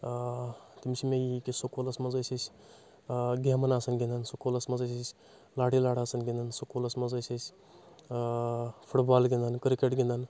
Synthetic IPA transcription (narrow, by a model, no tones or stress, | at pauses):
t̪imsʰimejikisokolɐsmɐzəsʲisʲ | ɡemɐnaːsɐnɡĩnd̪ənsokolɐsmɐzəsəsʲ | laɽilaːɽ̤aːsənɡʲĩnd̪ənsokolɐsmɐzəsʲɐsʲ | pʰuʈbaːlɡʲĩnd̪ənkɾikeʈɡʲĩnd̪ən